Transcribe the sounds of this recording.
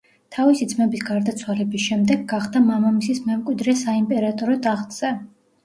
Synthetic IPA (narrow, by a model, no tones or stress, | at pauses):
t̪ʰavisid̪zmɛbisɡaɾd̪at̪sʰwalɛbisʃɛmd̪ɛɡːaχd̪amamamisismɛmkʼwid̪ɾɛsaimpʼɛɾat̪ʼɔɾɔd̪aχt̪ʼz̥ɛ